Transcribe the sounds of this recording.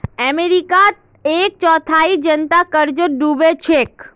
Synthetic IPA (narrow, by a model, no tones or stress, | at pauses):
ɛmeɾikat̪ | ek̚t͡ʃɔt̪ʰaid͡ʒənt̪akəɾd͡ʒəɖubet͡ʃʰek